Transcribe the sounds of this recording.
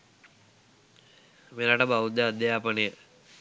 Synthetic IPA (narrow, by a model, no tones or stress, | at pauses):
melaːʈəbaʋud̪əad̪jaːpənejə